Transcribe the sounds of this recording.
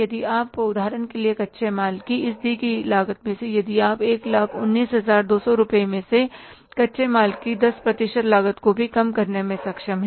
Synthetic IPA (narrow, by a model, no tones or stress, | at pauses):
jɐd̪iaːpʊd̪ʱaːɾənkeliekɐtːʃʰemaːlkiɪsd̪ʱikilaːɡət̪mẽsejɐd̪iaːpeːklaːkʰʊnːiːsɦɐzaːɾd̪oːsɔɾʊpəemẽse | kɐtːʃʰemaːlkid̪ɐspɾɐt̪ɪʃət̪laːɡət̪kobʱikɐmkɐɾnemẽsɐkʃəmɦɛ̃